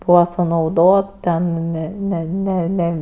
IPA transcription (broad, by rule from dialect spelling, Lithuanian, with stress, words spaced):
ˈbuːʋɐ sʊnɐʊˈdoːt tʲɛn nʲɛ ˈnʲɛ nʲɛ ˈnʲɛ